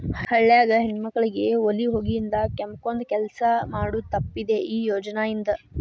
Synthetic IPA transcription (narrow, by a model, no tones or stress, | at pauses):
hɐɭːjaːɡɐɦinmɐkːɐɭiɡe̞oliɦo̞ːɡijind̪ɐkɛmkond̪kɛlsɐmaːɽut̪ɐpːid̪e̞ʔiːjoːd͡ʒɐnaːjind̪ɐ